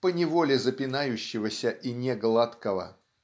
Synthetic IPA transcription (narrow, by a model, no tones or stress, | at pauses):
pənʲɪvolʲɪzəpʲɪnajʉɕːɪvəsʲəʔinʲeɡlˠat̪kəvə̰